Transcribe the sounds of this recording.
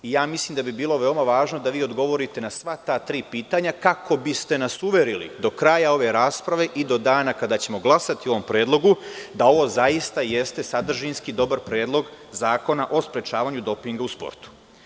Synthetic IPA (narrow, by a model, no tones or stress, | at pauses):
ijaːmislimd̪abibiːlˠo̞ʋe̞omaʋaːʒno̞d̪aʋiːo̞d̪ɡo̞ʋo̞ɾit̪e̞nasʋat̪aːt̪ɾiːpiːt̪aɲakako̞bist̪e̞nasuʋe̞ɾilḭd̪o̞kɾaːjao̞ʋe̞ɾaːspɾaʋe̞ʔid̪o̞d̪aːnakad̪aːt͡ɕe̞mo̞ɡlˠasat̪io̞ʋo̞mpɾe̞ːd̪lˠo̞ɡud̪ao̞ʋo̞ːzaist̪aje̞st̪e̞sad̪r̩ʒinskid̪o̞baɾpɾe̞ːd̪lˠo̞ɡzaːko̞naʔo̞spɾe̞t͡ʃaːʋaːɲud̪o̞piŋɡauspo̰ɾt̪u̥